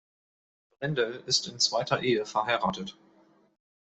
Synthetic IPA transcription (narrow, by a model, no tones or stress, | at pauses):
b̥ʁɛndəlɪstɪnt͡sv̥aɪtʰɐʔeːəfɛɐɦaɪʁaːtət